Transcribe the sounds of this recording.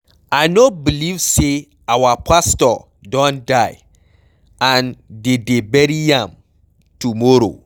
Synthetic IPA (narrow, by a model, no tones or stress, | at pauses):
ajnobilivse | awapʰastɔ | dɔ̃ndaɪ | ãndedebɛɾiãm | tumɔɾo̰